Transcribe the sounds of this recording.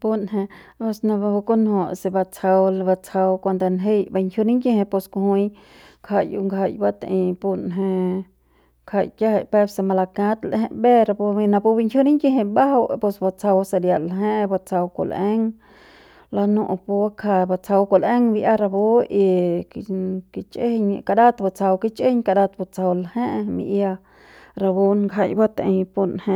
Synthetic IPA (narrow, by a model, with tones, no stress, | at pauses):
pu˦nɦẽ˧ | po˧sna˧ba˧hu˧ko˦nho˨se˧ba˧t͡sʰa˧wlba˧t͡sʰa˧wkʷa˧nd̪a˧nɦe˦jba˧ŋkʰju˧ni˦ŋɡe˧hẽ˧po˧sko˧hũ˧j | kʰa˧jṵ˧ŋɡa˧jba˧t̪a̰˧ʔĩ˧pu˧nɦe˧ | kʰa˧jkja˦ha˧˨pe˦se˧ma˧la˧kã˦t̪lhḛ̃˧be˦ɾa˧pnã˧pu˧bi˧ŋkju˦ni˦ŋɡe˦ɦe˧ba˦ɦa˧wpo˧sba˧t͡sa˧wsa˧lja˨laɦẽ˦ʔba˧t͡sa˧wko̰˨le˦ŋ | la˧nu˧ʔpu˧a˦kʰa˧ba˧t͡sa˧wko˨le˦ŋbi˧ʔa˦ɾa˧bo˦ʔi˧ | ki˧t͡ʃe˦ɲka˧d̪a˦t̪ba˧˨t͡sa˧wki˦t͡ʃe˦ɲka˧d̪a˧t̪ba˧t͡sa˧wlahe˦ʔmḭ˧ʔja˧ | ɾa˧bo˦nŋɡa˧jba˦t̪a˨e˧jpu˧nhe˧